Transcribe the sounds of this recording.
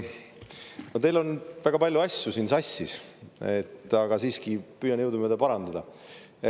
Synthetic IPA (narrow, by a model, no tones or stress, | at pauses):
not̪e̞jlo̞nvæɡ̥ɑpɑlʲjuɑsʲjusiːnsɑsʲːiset̪ːˑɑɡ̥ɑsiːskipyːjɑnjɤwd̪umed̪ɑpɑɾɑnd̪̥ɑd̪̥ɑ